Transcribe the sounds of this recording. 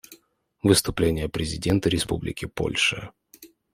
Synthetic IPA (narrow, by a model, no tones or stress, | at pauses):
vɨst̪ʊplʲenʲɪjəpɾʲɪzʲɪdʲe̞nt̪əɾʲɪspublʲɪ̰kʲɪpo̞̰lʲʂɨ